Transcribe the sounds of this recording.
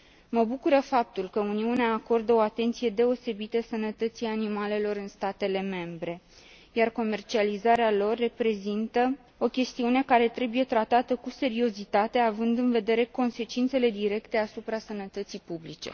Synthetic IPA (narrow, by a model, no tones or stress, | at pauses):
məbukuɾəfap̚t̪ulkəuniuneaːko̞rd̪əo̞at̪e̞nt̪sije̞d̪e̞o̞se̞bit̪əsənət̪ət̪sijanimale̞lo̞ɾɨnst̪at̪e̞le̞me̞mbɾe̞ | jarko̞me̞rt͡ʃializaɾealo̞rːe̞pɾe̞zint̪ə | o̞kʲe̞st̪iune̞kaɾe̞t̪ɾe̞buje̞t̪ɾat̪at̪əkuse̞ɾio̞zit̪at̪e̞avɨnd̪ɨnve̞d̪e̞ɾe̞ko̞nse̞t͡ʃint̪se̞le̞d̪iɾe̞kt̪e̞asupɾasənət̪ət̪sijpublit͡ʃe̞̰